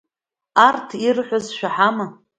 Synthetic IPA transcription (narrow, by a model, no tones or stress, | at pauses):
artʰirħʷazʃᶣaħama